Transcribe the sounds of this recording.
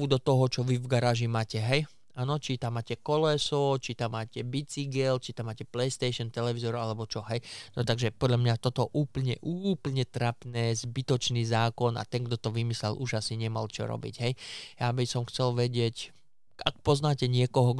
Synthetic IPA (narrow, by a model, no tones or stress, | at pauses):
ud̪ɔt̪ɔɦɔt͡ʃɔʋivɡaɾaːʒimaːcɛɦɛj | aːnɔt͡ʃit̪amːaːcɛkɔlɛsɔt͡ʃit̪amːaːcɛbit͡siɡɛlt͡ʃit̪amːaːcɛplɛjst̪ɛjʃɔnt̪ɛlɛʋizɔɾalɛbɔt͡ʃɔɦɛjnɔt̪aɡʒɛpɔd̪lʎamɲat̪ɔt̪ɔʔuːpl̩ɲɛʔuːpl̩ɲɛt̪ɾapnɛːzbit̪ɔt͡ʃniːzaːkɔna̰t̪ɛŋɡd̪ɔt̪ɔʋimislɛ̰lʔuʒasiɲɛma̰lt͡ʃɔ̰ɾɔ̰bḭɟɦɛjjabisɔmxt͡sɛlʋɛɟɪɛc | ak̚pɔznaːcɛɲɪɛkɔɦɔ